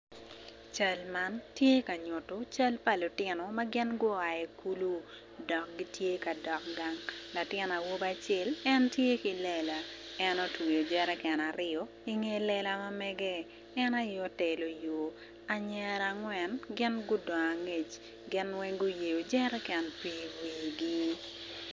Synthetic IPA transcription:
t͡ʃa˦lma˦ntje˦ka˨ɲʊ˨tʊ˦t͡ʃa˦lpa˨lʊ˨tɪ˦nɔ˨ma˦ɡɪ˦nɡʊ˦a˨ɛ˨ku˦lu˦ | dɔ˨k̚ɡi˦tje˦ka˨dɔ˨k̚ɡa˦ŋla˨tɪ˦na˨wo˦ba˦t͡ʃe˦lɛ˦ntje˦ki˨lɛ˨la˨ɛ˦nɔ˦twi˨jo˨d͡ʒɛ˦ɾɛ˦kɛ˨na˨ɾɪɔ˦ | i˦ŋe˦lɛ˦la˦ma˦mɛ˦ɡɛː˦ | na˦jɔ˦tɛ˨lo˨jo˨ | a˨ɲɛ˦ɾa˨ŋwɛ˨nɡɪ˦nɡʊ˦dɔ˨ŋa˨ŋe˨t͡ʃ | ɡɪ˦nwɛ˦ŋɡʊ˦je˨jo˨d͡ʒɛ˦ɾɛ˦kɛ˨npi˨wiː˨ɡi˦

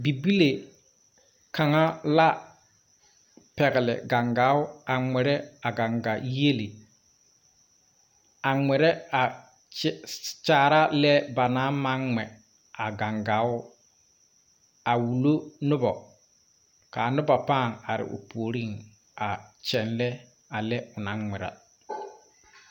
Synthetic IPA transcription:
bi˨bi˦le˨ | ka˨ŋa˦la˦ | pɛ˨ɣɪ˨lɪ̰˨ɡa˨ŋɡa˨˦ʊ˦a˨ŋɛ˨ɾɛ˦a˨ɡa˨ŋɡa˨je˦li˨ | a˨ŋɛ˨ɾɛ˦a˨ | t͡ʃaː˨ɾa˦lɛ˦ba˨na˦ma˦ŋŋɛ˨ | a˨ɡa˨ŋɡa˨˦ʊ˦ | a˨wu˨lo˦nʊ˦bɔ˨ | ka˨nʊ˦ba˨paː˦˨ŋa˨ɾɪ̰˨ʔʊ̰˨poː˨ɾi˦˨ŋ | a˨t͡ʃɛ˨nlɛ˦ | a˨lɛ˦ʊ˨na˦ŋŋɛ˨ɾa̰˨

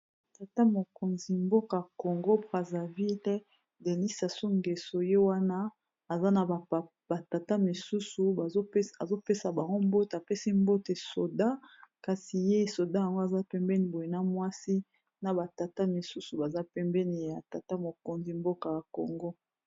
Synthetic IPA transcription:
ta˨ta˦mo˨ko˨nzi˨mbo˦ka˨a˨ko˨ŋɡo˦bʁa˨za˨vi˦l | de˨ni˦sa˨so˦ŋɡe˨so˨je˦wa˦naː˦˨ | za˦na˨ | ba˨ta˨ta˦mi˨su˦su˨zo˦a˨zo˦pe˦sa˨ba˨ŋɡo˦mbo˦ta˨pe˦si˦mbo˦te˨so˨da˦ka˨si˨je˦˨so˨da˦ja˨ŋɡo˦a˨za˦pɛ˦mbɛ˦ni˨bo˨je˨na˦mwa˦si˦ | na˨ba˨ta˨ta˦mi˨su˦su˨ba˨za˦pɛ˦mbɛ˦ni˨ja˨ta˨ta˦mo˨ko˨nzi˨mbo˦ka˨ja˨ko˨ŋɡo˦

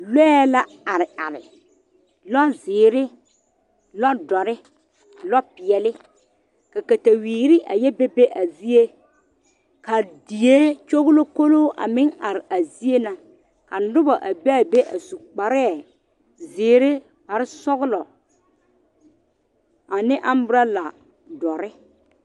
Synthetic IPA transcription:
lɛ˦ɛ˦la˦ | a˨ɾɪ˨a̰˨ɾɪ̰˨ | lɔ˦zɪː˨ɾɪ˦ | lɔ˦dɔ˨ɾɪ˦ | lɔ˦pɪ˨ɛ˨lɪ˦ | ka˨ka˨ta˨wiː˨ɾɪ˦ʔa̰˨jɛ˦be˦be˦ʔa˨zi˦e˦ | ka˨di˨je˦t͡ʃo˦ɣʊ˦lo˦ko˦loː˦ʔa̰˨mɪ˦ŋa˨ɾɪ˨a˨zi˦e˦na˨ | ka˨nʊ˦ba˨ʔa˨be˦a˦˨be˦ʔa̰˨su˨k͡pa˨ɾɛ˦ɛ˨ | zɪː˨ɾɪ˦ | ha˨ɾɪ˦sɔ˦ɣʊ˦lɔ˨ | a˨nɪ˦ʔa˦m˦bʊ˦ɾa˦la˨ | dɔ˨ɾɪ˦

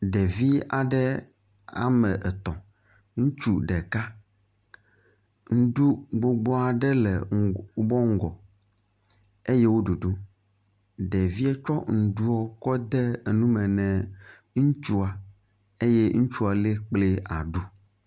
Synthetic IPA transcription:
ɖɛ˨vi˦a˨ɖɛ˦ | a̰˨mɛ˨ʔɛ˨t̪ɔ̃˨ | ŋũ˦t͡ʃu˦ɖɛ˨ka˦ | ŋ̩˦ɖu˦ɡ͡bo˦ɡ͡bɔ˦a˨ɖɛ˦lɛ̰˨˦bɔ˦ŋ̩˦ɡɔ˨ | e˦je˦wo˦ɖu˨ɖu˦ | ɖɛ˨vi˦ɛ˦t͡ʃɔ˦ŋ̩˨ɖu˦ɔ˦kɔ˦d̪ɛ˦˨nũ˦mɛ̃˨nɛ̃˨ | ŋũ˦t͡ʃu˦a˨ | e˦je˦ŋu˦t͡ʃu˦a˨le˦k͡ple˦a˨ɖu˦

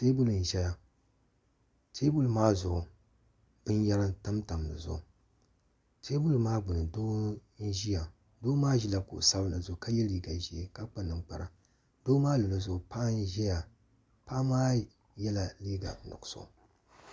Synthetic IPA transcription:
teː˦bu˦lɨ˨n̩˨ʒɛ˦ja˨ | tʰeː˦bu˦lmaː˦zʊ˨ʊ˨ | b̥ɨ˦n˦ja˦ɾɨ˦n˦ta˦mta˨m˨nɨ̰˨zʊ̰˨ʊ˨ | tʰeː˦bu˦lmaː˦ɡ͡bʊ˨nɨ˨doː˦n̩˦ʒi˦ja˨ | doː˦maː˦ʒi˦la˨kʊ̰˨ʔsa˦bla˨zʊ˨ka˦jɛ˦liː˦ɡa˨ʒi˨e˨ka˦k͡pa˦nɨ˨ŋk͡pa˨ɾa˨ | doː˦maː˦lo˨lo˨zʊ˨ʊ˨pa˦n˦ʒɛ˦ja˨ | pa˦maː˦ | jɛ˦la˨liː˦ɡa̰˨˦nʊ̰˨kso̰˨

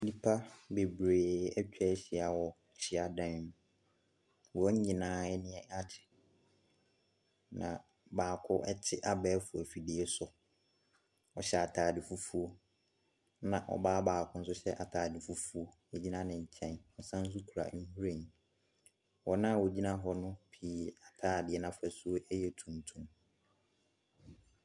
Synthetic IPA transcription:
di˦pʰa˦be˨bɾeː˨ɛ˦t͡ɕᶣɛ˦ɕɪ˨a˨wɔ˨ | t͡ɕʰɪ˦a˨dã˦n˨ | wɔ˨ɔ˦ɲɪ̃˨nãː˨˦ɛ˦nɪ̃˦ɛ˦a˦tʰɪ̥˨ | nã̰˨ | baː˨kʰʊ˦ʔɛ̰˦t͡ɕʰɪ˦ʔa˨bɛː˦fʊ˨æ˨fi˨di˦ɛ˦sʊ˨ | ɔ˨ɕɛ˦˨a˨tʰaː˨dɪ˨fu˦fu˦o˦ | nã˨ʔɔ̰˨baː˦baː˨kʰʊ̃˦n̩˦s̬ʊ˦ɕɛ˦ʔa˨tʰaː˨dɪ˨fu˦fu˦o˦ | ɛ˨d͡ʑi˦nã˦nɪ̃˨ɲ̩˨t͡ɕʰɛ̃˦nɔ˨˦sã˦n̩˦s̬u˦kʰu˨ɾa̰˨˦n̩˦hu˦ɾe˦˨ɲĩ˨ | wɔ˨nã˦˨wɔ˨d͡ʑi˦nã˦ɦɔ˦nʊ̃˦pʰiː˨˦a˨tʰaː˨˦˨dɪ˨ɛ˨nã˦fɛ˨su˦o˦ʔɛ˦jɛ˨tʰũ˨mtʰũ˨m

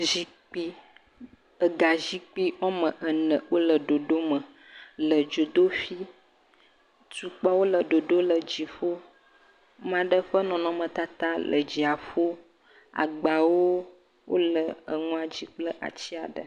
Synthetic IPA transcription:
zi˦ | k͡pi˦ | ə˨ɡa˨ʒi˦k͡pi˦ɔ˦mə̃˨ʔə˨nə̃˨wo˦lə˨ɖo˨ɖo˦mə̃˨ | lə˨d͡ʒo˨d̪o˦fi˦ | tu˨k͡pa˦wo˦lə˨ɖo˨ɖo˦lə˨d͡ʑi˨ɸo˦ | mã˨ɖə˦ɸə˦nɔ̃˨nɔ̃˨mə̃˨t̪a˦t̪a˦lʔə̰˨d͡ʒi˨a˨ɸo˦ | a̰˨ɡ͡ba˨wo˦ | wʔo̰˦lə˨ə˨ŋũ˦a˨d͡ʑi˦k͡plə˦ʔa̰˨t͡ɕi˦a˨ɖə˨

